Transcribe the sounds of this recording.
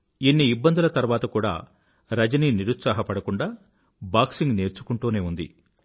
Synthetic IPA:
inːiːbːɐnd̪ulɐt̪ɐɾuʋaːt̪ɐkuːɽa̰ː | ɾɐd͡ʒɐniniɾut̪saːɦɐpɐɽɐkuɳɖaː | baːksiŋɡne̞ːɾt͡ʃu̥kuɳʈuːne̞ːund̪ḭ

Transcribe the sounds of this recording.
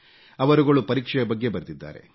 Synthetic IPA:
ɐʋɐɾuɡɐɭupɐɾiːkʂɛjɐbɐɡːe̞bɐɾt̪id̪ːa̰ːɾḛ

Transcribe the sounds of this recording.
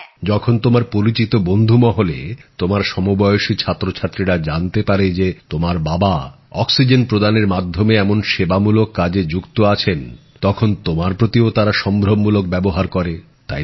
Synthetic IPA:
d͡ʑɔkʰont̪omaɾpoɾit͡ɕit̪obond̪ʱumɔɦolḛt̪omaɾʃɔmobɔjoʃit͡ɕʰat̪ːɾot͡ɕʰat̪ːɾiɾad͡ʑant̪epaɾed͡ʑet̪omaɾbaba | ɔksid͡ʑenpɾod̪aneɾmad̪ʱːomeɛmonʃebamulokːad͡ʑed͡ʑukt̪oat͡ɕʰen | t̪ɔkʰont̪omaɾpɾot̪iot̪aɾaʃɔmbʱɾomːulok̚bɛboɦaɾkɔɾe | t̪a

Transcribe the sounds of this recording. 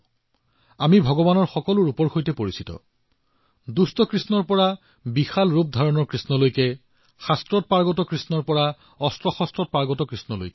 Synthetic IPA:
amibʱɔɡɔbanɔɹxɔkɔlʊɹupɔɹxojtɛpoɹisitɔ̰ | dustɔkɹisnɔɹpɔɹa | bixalɹup̚dʱaɹɔnɔɹkɹisnɔlojkɛ | xastɹɔt̚paɹɡɔtɔkɹisnɔɹpɔɹa | ɔstɹɔxɔstɹɔt̚paɹɡɔtɔkɹisnɔlo̰jkɛ

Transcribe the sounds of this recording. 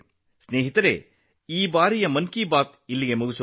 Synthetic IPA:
sneːɦit̪ɐɾḛː | iːbaːɾijɐmɐnkiːbaːt̪ilːiɡemuɡis

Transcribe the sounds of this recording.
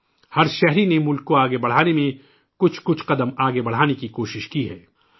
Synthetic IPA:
hɐɾʃɛɦɾinemʊlkːoaːɡebɐɽ̤aːnemẽ | kʊt͡ʃʰkʊt͡ʃʰqɐd̪əmaːɡebɐɽ̤aːnekikoːʃɪʃkiɦɛ̰ː

